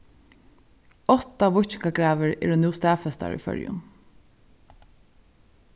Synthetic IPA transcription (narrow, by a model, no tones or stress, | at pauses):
ɔt̪aʋʊçt͡ʃɪkaɡɹaːʋəɹɛ̰ːɹʊnɪːst̪æːfɛst̪a̰ɹḭfœ̰ɹjʊ̰n